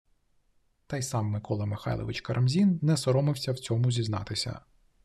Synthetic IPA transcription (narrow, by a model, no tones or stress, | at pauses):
t̪ɑjsɑmːɪkɔlˠɐmɪxɑ̰jlˠɔ̰ʋɪ̰t͡ʃkɐɾʔɐmzʲinːɛsɔɾɔmɪwsʲɐwt͡sʲɔmʊzʲiznɑ̰t̪ɪsʲɐ̰